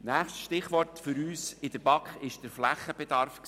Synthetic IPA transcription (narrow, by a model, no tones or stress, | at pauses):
næːχstʃtɪχʋɔtfʏɾyːsɪd̥əɾbɑkχɪʃd̥əɾflæχəbɛd̥̪ɑɾfks